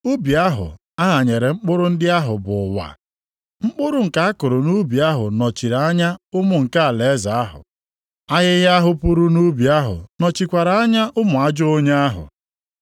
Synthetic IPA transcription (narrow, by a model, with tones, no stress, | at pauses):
u˦bi˨a˦ɦʊ̰˨ | a˦ɦa˨ɲe˨ɾe˨ŋ͡m̩˦k͡pʊ˦ɾʊ˦n̩˦dɪ˦a˦ɦʊ˨bʊ˨wa̰˨ | ŋ͡m̩˦k͡pʊ˦ɾʊ˦ŋ̩˨ka˦a˦kʊ˨ɾʊ˨nu˦bi˨a˦ɦʊ̰˨nɔ˨t͡ʃi˨ɾa˨a˦ɲa˦ʊ˦mʊ˨ŋ̩˨ka˦a˨le˨˦za˨a˦ɦʊ̰˨ | a˦ɣɪ˦ɣɪ˦a˦ɦʊ˦pu˦ɾu˦nu˦bi˨a˦ɦʊ̰˨nɔ˨t͡ʃi˨kʷa˨ɾa˨a˦ɲa˦ʔʊ˦mʊ˨a˦d͡ʒʊ˦o˦ɲe˦a˦ɦʊ̰˨